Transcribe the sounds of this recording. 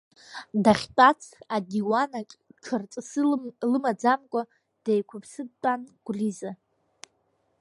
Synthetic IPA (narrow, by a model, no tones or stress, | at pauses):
daχʲtʼat͡sʰadiwanakʼt͡ʃʰɨrt͡sʼsɨlɨmad͡zamkʷʼa | d̥ejkʷʰʊpʰsɨd̚tʼanɡ̥ʷriza